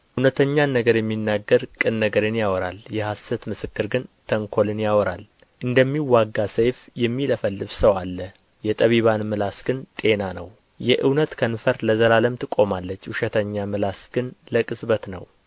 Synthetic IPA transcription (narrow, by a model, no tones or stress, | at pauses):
ʔɨwnət̪ʰəɲːanːəɡəɾjɛmːinːaɡːəɾkʼɨnːəɡəɾɨnjawɔɾa̰ljɛhasət̪mɨsɨkːɨɾɡɨnt̪ʰəŋkʰo̞lɨnjawɔɾal | ʔɨnd̪əmːiwːaɡːasejfjɛmːiləfəlːɨβsəwalːə | jɛt̪ʼəβiβanmɨlasɡ̥ɨnt̪ʼe̞nanə̰w | jɛʔɨwnət̪kʰənfəɾləzəlaləmt̪ʰɨkʼo̞malːət͡ʃːhuʃɛt̪ʰəɲːamɨlasɡ̥ɨnləkʼɨsβət̪nə̰w